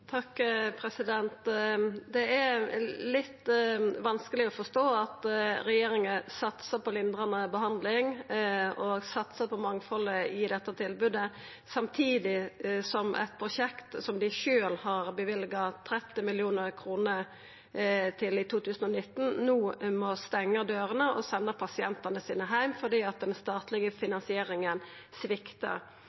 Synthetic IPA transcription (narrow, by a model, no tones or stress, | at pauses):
t̪ʰɑkːpʰɾɛsɪd̪ɛnt̪d̪ɛælɪt̪ːʋɑnskəlɪɔfɔʂt̪oːɑt̪ɾɛjeːɾɪŋənsɑt̪səpɔlɪnd̪ɾɑnəbəɦɑnd̪lɪŋ | ɔsɑt̪səpʰɔmɑŋfɔləɪd̪ɛt̪ːət̪ʰɪlbʉd̪ə | sɑmt̪ʰiːd̪ɪsɔmʔɛ̰t̪̚pʰɾʊʂɛkt̪sɔmd̪ɪʃøːlhɑʁbəʋɪlɡɑt̪ʰɾɛt̪ːɪmɪljuːnəʁkʰɾuːnə | t̪ʰɪlɪt̪ʰuːt̪ʰʉːsn̩ɔnɪt̪ːn̩nuːmɔst̪ɛŋːəd̪øːɾənəʔɔsɛnːəpʰɑsɪɛnt̪ɑnəsiːnəɦæɪmfɔd̪iːɑt̪̚d̪ɛnst̪ɑːt̪lɪɡəfɪnɑnsɪeːɾɪŋən | sʋɪkt̪ə̰